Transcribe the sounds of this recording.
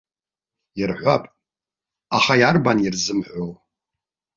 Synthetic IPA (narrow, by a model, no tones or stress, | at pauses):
jirħʷapʼ | aχajarbanirzɨmħʷow